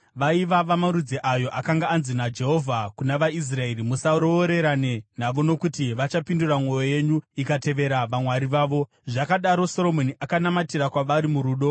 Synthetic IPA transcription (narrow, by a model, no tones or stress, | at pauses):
ʋaiʋaʋamaɾud͡zeʔajo̞ʔakaŋɡaːnzinad͡ʒe̞ɦo̞vʱakunaʋais̬rae̞ɾimusaɾo̞ːɾe̞ɾanen̤aʋo̞no̞kutiʋat͡ʃapinduramwo̞joje̞ɲuikate̞ʋe̞ɾaʋamwaɾiʋaːʋo̞ | ʐakaɗaɾo̞so̞lo̞moniʔakanamatirakwaʋaɾimuɾuːɗo̞